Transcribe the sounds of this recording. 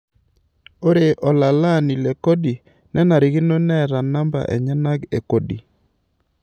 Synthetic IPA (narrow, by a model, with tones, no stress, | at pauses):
o˦ɾe˨ʔɔ˨la˨la˦˨ni˨le˨ko˦di˨ | nɛ˦na˨ɾi˨ɡɪ˦no˦nɛ˦ɾa˨na˦mba̰˨ʔɛ̰˨ɲa˦na˦ɡe˨ko˦dḭ˨